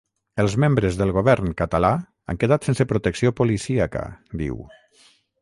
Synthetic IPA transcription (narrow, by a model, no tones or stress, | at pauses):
əlˠzmembɾəzðəlˠɣoβɛɾnkət̪ala | a̰ŋkeðat̪sensepɾut̪əksiopolisiakə̰d̪ḭw